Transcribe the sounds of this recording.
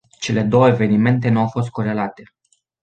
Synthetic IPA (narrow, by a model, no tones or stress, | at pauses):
t͡ʃe̞le̞d̪o̞wəeve̞nime̞nt̪̬e̞nuawfo̞s̬t̪̚ko̞ɾe̞lat̪e̞